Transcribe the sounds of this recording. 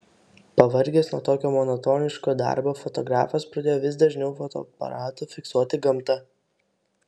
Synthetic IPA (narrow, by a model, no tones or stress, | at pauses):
pɐʋɐɾʲɡʲeːsnuɔt̪oːkʲoːmɔnɔt̪oːnʲɪʃkoːd̪ɑ̰ˑɾboːfɔt̪ɔɡɾɑ̰ːfɐspɾɐd̪ʲeːjoːʋʲɪsd̪ɐʒʲnʲɛʊfɔt̪o̰ːpɐ̰ɾɑːt̪ʊːfʲɪksuɔt̪ʲɪɡɐmt̪ɐ